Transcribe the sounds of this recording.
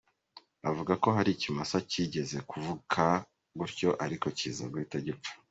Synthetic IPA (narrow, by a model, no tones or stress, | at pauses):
avuɡako̞ɦaɾicimasaciɟe̞ze̞kuvukʰa | ɡuɾco̞ʔaɾiko̞cḭːza̰ɡwiteɟep͡fḁ